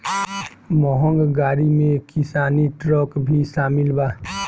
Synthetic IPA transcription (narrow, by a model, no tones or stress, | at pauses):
mɔːɦə̃ŋɡɡaːɾimẽkɪsaːniʈɾɔːkbʱiʃaːmɪlbaː